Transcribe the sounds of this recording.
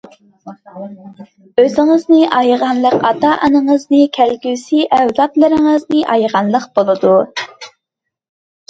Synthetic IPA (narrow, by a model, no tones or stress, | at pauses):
øzɪŋəznɨʔɑjʁɑnlˠəqɑt̪ɑʔɑnəŋəznɨkʲʰælɡʲysiʔɛwd̪ɑt̪lˠɨɾɪŋəznɨʔɑjʁɑnlˠəqb̥olˠɨd̪u